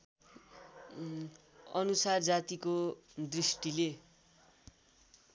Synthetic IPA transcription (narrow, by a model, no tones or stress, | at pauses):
ʌnusard͡zat̪ikod̪risʈile